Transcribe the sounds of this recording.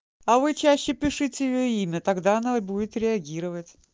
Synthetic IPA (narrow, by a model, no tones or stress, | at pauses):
ɐvɨt͡ɕæɕːɪpʲɪʂɨtʲɪjɪjɵimʲət̪ɐɡd̪aɐnaɪbudʲɪt̪ɾʲɪɐɡʲiɾəvətʲ